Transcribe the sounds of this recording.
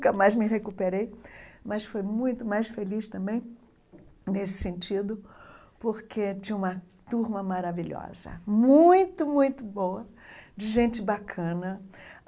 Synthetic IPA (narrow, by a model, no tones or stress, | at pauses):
ũkɐmajzmɪɦekupeɾejmɐsfojmũj̃t̪ʊmajsfelist̪ɐ̃mbẽj̃ | nesɪ̥sẽnt͡ʃid̪ʊ | poɾkʰet͡ʃĩũmɐ | t̪uɾmɐmaɾaviʎɔ̰zɐ̰mũj̃t̪ʊmũj̃t̪ʊbowɐ | d͡ʒɪʒẽnt͡ʃɪbakʰɐ̃nɐ